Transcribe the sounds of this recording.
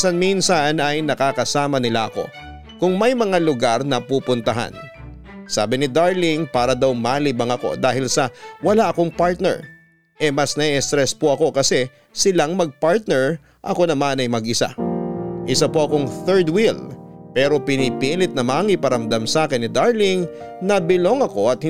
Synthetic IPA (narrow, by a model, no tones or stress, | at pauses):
sɐnminsɐnɐjnɐkakɐsaːmɐnɪlaʔɐko̞̰ | kʊŋmɐjmɐŋalʊɡaɾnɐpuːpʊnt̪ɐɦa̰n | sa̰ːbɪnɪd̪aɹlɪŋpaːɾɐd̪awmaːlɪbɐŋɐko̞̰d̪aːhɪlsɐwɐlaʔɐko̞ŋpaɹt̪̚nɛ̰ɹ | ʔɛmɐsnɐɛst̪ɾɛspoʔɐko̞kɐsɛ | sɪlaŋmɐɡ̚paɹt̪̚nɛɹ | ʔɐko̞nɐmanɐjmɐɡʔɪsa̰ʔɪsapoʔɐko̞ŋθɛɹd̪wilpɛːɾo̞pɪnipiːlɪt̪̚nɐmaŋɪpɐɾɐmd̪amsaːkɪnːɪd̪aɹlɪŋ | nɐbɪlo̞ŋɐko̞ɐt̪̚h